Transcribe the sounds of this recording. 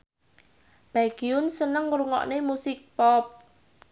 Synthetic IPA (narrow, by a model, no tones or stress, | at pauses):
b̥aɡ̥iʊnsənəŋɾuŋɔ̰ʔnemusɪk̚pɔp̚